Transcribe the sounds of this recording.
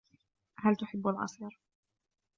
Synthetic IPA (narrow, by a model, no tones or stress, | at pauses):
halt̪ʊħɪbːalʕɑ̰sˤiːɾ